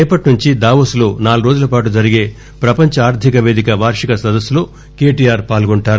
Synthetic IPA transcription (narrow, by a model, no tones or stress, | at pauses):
ɛːpɐʈnuɲt͡ʃid̪aːʋɐsloːnaːluɾoːd͡ʒulɐpaːʈ̬ud͡ʒɐɾiɡe̞ː | pɾɐpɐɲt͡ʃɐaːɾd̪ʱikɐʋeːd̪ikɐʋaːɾʂikɐsɐd̪ɐsːulo̞ː | ke̞ːʈijaːɾpaːlɡoɳʈaːɾu